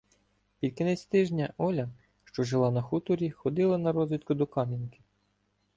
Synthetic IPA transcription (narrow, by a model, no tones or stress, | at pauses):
pʲilʲkɪnɛsʲt̪ɪʒnʲɐʔɔlʲɐ | ʃt͡ʃɔʒelˠɑnɐxut̪ʊɾʲixɔd̪ɪlˠɐnɐɾɔzʋʲit̪̚kʊd̪ɔkɑmʲinkɪ̥